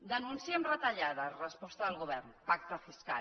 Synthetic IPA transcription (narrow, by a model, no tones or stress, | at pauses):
d̪ənunsiəmrət̪əʎaðərəspɔst̪əðəlˠɣuβ̞ɛrnpak̚t̪əfiska̰